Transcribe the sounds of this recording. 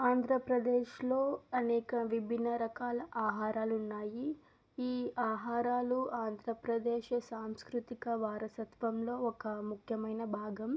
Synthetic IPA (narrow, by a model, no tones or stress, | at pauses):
aːnd̪ʱɾɐpɾɐd̪eːʃlo̞ːɐnɛːkɐʋibʱinːɐɾɐkaːlɐʔaːɦaːɾaːlunːaːji | iːaːɦaːɾaːluaːnd̪ʱɾɐpɾɐd̪eːʃɐsaːmskɾut̪ikɐʋaːɾɐsɐt̪ʋɐmlo̞ːɔkɐmukʰjɐmɐjnɐbʱaːɡɐm